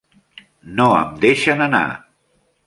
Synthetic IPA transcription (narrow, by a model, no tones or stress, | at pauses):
noə̰md̪eʃənəna̰